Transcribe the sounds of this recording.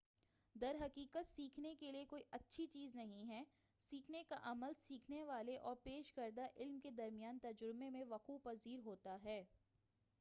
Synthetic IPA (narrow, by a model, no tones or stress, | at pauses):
d̪ɐɾɦɐqiːkət̪siːkʰnekeliekoːiʔɐtːʃʰit͡ʃiːznɐɦĩɦɛː | siːkʰnekaʔɐməlsiːkʰneʋaːleʔɔːɾpeːʃkɐɾd̪aʔɪlmked̪ɐɾmijaːnt̪ɐd͡ʒɾmemẽʋɐquːpɐziːɾɦoːt̪aɦɛː